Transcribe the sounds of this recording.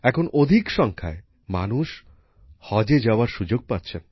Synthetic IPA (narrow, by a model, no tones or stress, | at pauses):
ɛkʰonʔod̪ʱikʃɔŋkʰa̰e | manuʃ | hɔd͡ʑed͡ʑaoaɾʃud͡ʑoɡ̚patːt͡ɕʰen